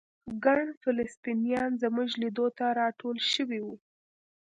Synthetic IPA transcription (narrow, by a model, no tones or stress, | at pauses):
ɡaɳfɪlɪst̪inijɑnzəmʊʒlid̪ot̪aɾɑʈʰolʃəwiwu